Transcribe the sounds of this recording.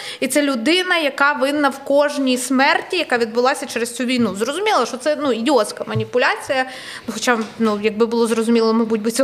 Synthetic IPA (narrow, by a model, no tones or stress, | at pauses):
it̪sɛlʲʊd̪ɪnɐjɐkɑʋɪnːɐwkɔʒnʲijsmɛrtʲijɐkɑʋʲid̪bʊlˠɑsʲɐt͡ʃɛɾest͡sʲuʋʲijnuzrɔzʊmʲilˠɐʃɔt̪sɛnuidʲiɔt̪skɐmɐnʲipʊlʲat͡sʲijɐ | nuxɔt͡ʃanujɐɡ̚bɪbʊlˠɔzɾɔzʊmʲilˠɔmɐbutʲbɪt͡sʲɔ